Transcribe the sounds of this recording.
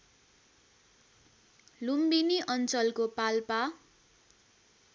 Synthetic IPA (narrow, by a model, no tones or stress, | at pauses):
lumbiniʔʌnt͡sʌlkopalpa